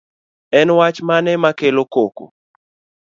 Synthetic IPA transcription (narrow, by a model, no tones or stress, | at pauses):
ɛnwat͡ʃmanɛmakelokoko̰